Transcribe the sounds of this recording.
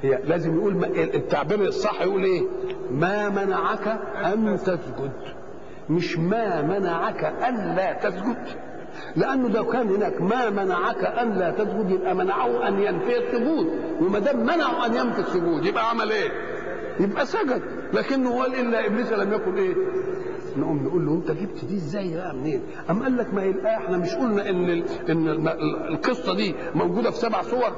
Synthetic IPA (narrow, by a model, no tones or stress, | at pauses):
hjælæːzɪmjʔuːlmʔʔt̪ːaʕbiːɾsˤːɑħːjʔuːlʔeːmæːmænaʕakæʔænt̪æsɡʊd̪ | mɪʃmæmænaʕakæʔænlæːt̪æsɡʊd̪ | leʔænːʊd̪ækæːnhenæːkmæːmænaʕakæʔænlæːt̪æsɡʊd̪jebʔæmænaʕahʔænjænfiːesːʊɡuːt̪wemæd̪æːmːænaʕoʔænjæmfisːoɡuːt̪jebʔæʕamælʔeː | jebʔæsæɡæd̪̚ | læːkɪnːhoælʔɪlːæʔɪbliːsælæmjækonʔeː | nʔumnʔuːlːowʔent̪æɡib̚t̪d̪iːezːæːjːbæʔæmneːn | ʔæmːæʔælːækmæhjelbʔæʔeħnæmɪʃʔulnæʔɪnːeʔenːlqesˤːɑd̪iː | mæwɡuːd̪æfi̥sæbaʕsˤowɑɾˤ